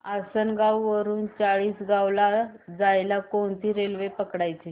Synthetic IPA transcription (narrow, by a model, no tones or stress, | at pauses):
asənɡawʋəɾuːnt͡saɭiːsɡawlad͡zajlakoɳt̪iːɾelʋepəkɽajt͡ɕe